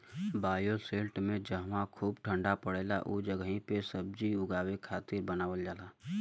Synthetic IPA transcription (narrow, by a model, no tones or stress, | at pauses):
baːjoseːlʈmẽd͡ʒəɦmakʰuːbʈʰə̃ɳɖapəɽeːla̰ʔud͡ʒəɡĩpesəb̚d͡ʒiʊɡaːwekʰaːt̪ɪɾbənaːwəld͡ʒaːlaː